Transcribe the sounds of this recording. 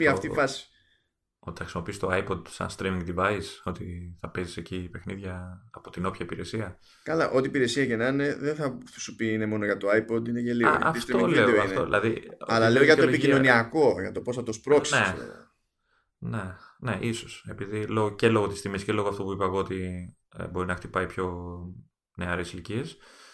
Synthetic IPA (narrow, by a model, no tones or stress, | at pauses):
piɐft̪ifɐsi̥ | o̞t̪i̥ɐxɾisimo̞pist̪oɐjpod̪sɐ̰nst̪ɾimĩŋɡd̪ivɐiso̞t̪iθɐpe̞zisecipe̞xniðʝɐːpo̞t̪ino̞pçɐipiɾe̞siɐ | kɐlɐʔo̞t̪ipiɾe̞siɐcenɐne̞ðeθɐsupiine̞mo̞noʝɐt̪oɐjpo̞d̪ineʝeliɣo̰ɐisft̪ɾioĩleeoɐifneoðḭlʔɐ̰ðiɐlɐleoʝɐt̪opicino̞niɐko̞ʝɐt̪o̞po̞sθɐt̪o̞spɾo̞sines | nene̞ʔiso̞se̞piðilo̞ɣocelo̞ɣot̪ist̪imiscelo̞ɣoɐft̪o̞puipɐɣoot̪ḭ | bo̞ɾinɐxt̪ipɐipço̞ | ne̞ɐɾesilcie̞s